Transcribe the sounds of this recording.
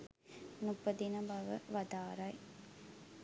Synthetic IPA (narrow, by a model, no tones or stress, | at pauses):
nupːɐd̪inɐbɐʋə̰ʋɐd̪aːɾɐj